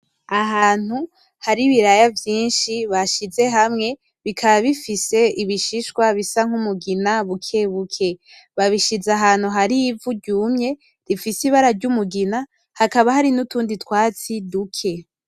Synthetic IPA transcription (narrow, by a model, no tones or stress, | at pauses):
aɦaːn̥hu | haɾiβiɾajavjiːnʃiβaʃize̞ɦamŋe̞ | βikʰaβaβifise̞iβiʃiʃkwaβisaŋ̥umuɡinaβukʰeβukʰe̞ | βaβiʃizaɦaːn̥huɦaɾiːvuɟuːmɲe̞ | ɾifisiβaɾaɾɟumuɡina | hakaβaɦaɾinutuːnditwaːt͡sidukʰe̞